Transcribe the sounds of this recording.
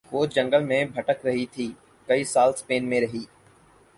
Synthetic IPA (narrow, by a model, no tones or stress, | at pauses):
oːd͡ʒə̃ŋɡəlmẽːbʱəʈəkɾɐɦit̪ʰiː | kɐiːsaːlspeːnmẽɾɐɦiː